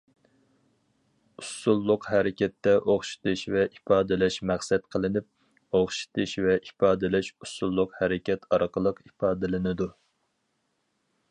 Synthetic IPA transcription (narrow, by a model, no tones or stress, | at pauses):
usːulˠːʊqɦɛɾɪkʲɛt̪ːɛʔoχʃi̥t̪ɨʃvɛʔipɑːd̪ɪlɛʃmæχsɛt̪qʰəlˠɨnɪp̚ | oχʃi̥t̪ʰɨʃvɛʔipɑːd̪ɪlɪʃusːulˠːʊqhɛɾɪkʲʰɛt̪ʰɑɾqʰəlˠəqipɑːd̪ɪlɪnɪd̪u